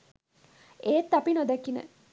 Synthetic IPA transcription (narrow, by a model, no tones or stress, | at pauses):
eːt̪ːapinod̪ækːinə̰